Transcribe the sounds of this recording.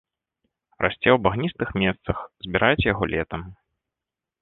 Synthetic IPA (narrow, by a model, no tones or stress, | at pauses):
rʔa̰sʲt͡sʲɛwbaɣnʲist̪ɨxmʲɛst̪sɐxzʲbʲiɾajt͡sʲɛjaɣɔlʲʔɛt̪ɐm